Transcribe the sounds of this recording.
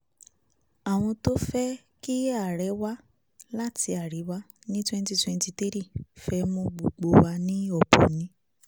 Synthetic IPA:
a˨w̃ɔ̃˧to˦fɛ˦ | ki˦a˦˨ɾɛ˨˦wa˦ | la˦ti˧a˨ɾi˨˦wa˦ | nĩ˦twɛ̃˦n˦ti˦twɛ̃˧nti˧ti˦ɾi˦˨fɛ˧˦mõ˧ɡ͡bo˨ɡ͡bo˧wa˧nĩ˦ɔ˦˨po̰˨nĩ˨˦

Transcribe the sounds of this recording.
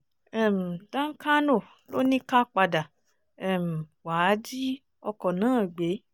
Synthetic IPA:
ɛ˦˨m̩˨dã˦ŋ̩˦ka˦nõ˦˨ | lo˦nĩ˦ka˦k͡pa˧da˨ | ɛ˨m̩˨wa˨˦d͡ʒi˦ | ɔ˧kɔ˨nãː˨˦˨ɡ͡be˨˦

